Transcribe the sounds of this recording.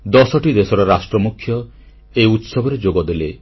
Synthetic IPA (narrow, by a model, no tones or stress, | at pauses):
d̪ɔsɔʈid̪esɔɾɔɾasʈɾɔmukʰːjɔ | ejut̪sɔbʱɔɾed͡ʒoɡɔd̪ele